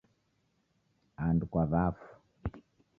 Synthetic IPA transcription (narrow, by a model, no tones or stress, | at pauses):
andukwaβafu̥